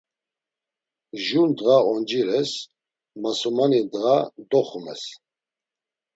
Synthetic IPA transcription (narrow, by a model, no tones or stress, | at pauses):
ʒund̪ʁaɔnd͡ʒiɾɛs | masɔmanid̪ɣad̪ɔχumɛ̰s